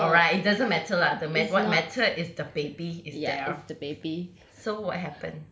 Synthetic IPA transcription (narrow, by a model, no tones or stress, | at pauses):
ɔɹaɪtɪt̚dazə̃nmɛtʰəladəmɛtwɔt̚mɛtʰəʔɪsdəbebiɪsdɛsdəbebi | sowɔt̚ɦɛpə̰̃n